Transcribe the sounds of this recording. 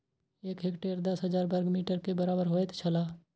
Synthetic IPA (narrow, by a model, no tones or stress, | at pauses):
eːkɦeːkʈeːɾd̪əsɦəzaːɾbəɾɡmiːʈəɾkebəɾaːbəɾɦoːet̪ʰt͡ʃʰəlaː